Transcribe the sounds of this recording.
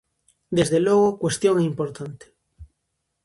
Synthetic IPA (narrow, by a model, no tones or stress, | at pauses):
d̪ezðelwoɣokwest̪jo̞ŋeimpoɾt̪ant̪e̥